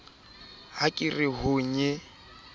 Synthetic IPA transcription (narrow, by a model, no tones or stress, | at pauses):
hakʼɪrɪɦʊɲɛ